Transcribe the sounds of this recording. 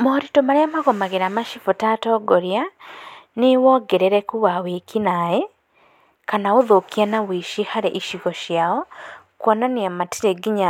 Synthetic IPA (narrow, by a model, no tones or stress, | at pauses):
mɔɾitomaɾeamaɣɔmaɣeɾamaʃifotatɔːɡɔɾia | newɔɡɛɾeɾɛkuβawekinaɛ | kanaoðokianawiʃihaɾeʔiʃiɣɔʃjaɔ | kwɔnaneamatiɾeɡiɲa